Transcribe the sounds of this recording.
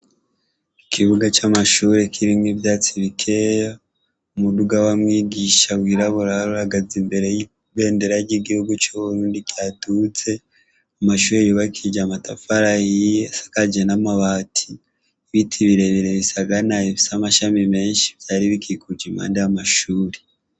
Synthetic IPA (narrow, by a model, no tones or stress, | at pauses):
ikʰiβuɡat͡ʃamaʃuɾe̞kʰiɾimɡibjaːt͡siβikʰejo | umuduɡawamŋiːɡiʃawiːɾaβuɾaɾuɾaɡazimbe̞ɾe | βe̞ːndeɾaɾɟiɡihuɡut͡ʃuβuɾuːndikjaːtut͡se̞ | amaʃuːɾejuβakʰid͡ʒamatafaɾajiasḁkad͡ʒanamaβaːtʰi | βitʰiβiɾe̞βiɾeβisaɡanaeβisamaʃamime̞ːnʃi̥βi̥taɾiβikʰikuɟima̰ːndeamaʃuːɾe